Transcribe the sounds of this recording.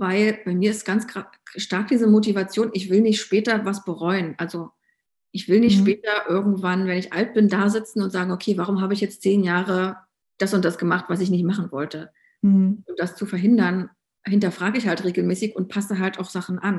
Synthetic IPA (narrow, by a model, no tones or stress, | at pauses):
vaɪlb̥aɪmiːɐɪstɡ̥ant͡sɡʁa | ʃtaɐk̚d̥iːzəmot̬ivat͡sjoːnʔɪçv̥ɪlnɪçtʃpɛːtɐvasb̥əʁɔʏənʔalzo | ʔɪçv̥ɪlnɪçtʃpɛːtɐʔɪɐɡŋ̩tv̥anvɛnɪçʔalt̚b̥ɪndaːzɪt͡sn̩ʊntz̥aːɡŋ̩okʰeːvaːʁʊmɦaːbəɪçjɛt͡stt͡seːnjaːʁə | d̥asʊnt̚d̥asɡ̥əmaχtv̥asɪç̬nɪçtmaχn̩vɔltə | ʊmd̥ast͡sufɛɐɦɪndɐn | hɪntɐfʁ̥aːɡəɪçhaltʁeːɡl̩mɛːsɪçʊnt̚pʰasəɦaltaʊxz̥aχn̩ʔan